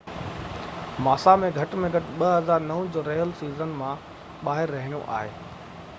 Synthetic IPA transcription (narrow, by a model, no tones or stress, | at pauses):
maːsamẽɡʱɐʈmẽɡʱɐʈɓɐɦɐzaːɾnɐʋʊ̃d͡ʑoːɾeːjəlsiːzənmã | ɓaːɦɪɾːɐɦɪɽijõ̰ʔa̰ːɦeː